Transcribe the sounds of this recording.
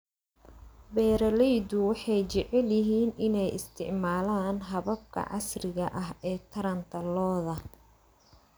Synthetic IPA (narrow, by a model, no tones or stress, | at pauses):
bɛːɾɐlɛjd̪ʊwɑħɑjt͡ʃɪʕɛljɪɦiːnɪnɛjɪst̪ʰɪ̰ʕmaːlaːnɦɐβɐb̚kʰɐ̰ʕɑ̰srɪɣɐʔɐɦɛːt̪ʰɐɾɐnt̪ʰɐlɔːðɐ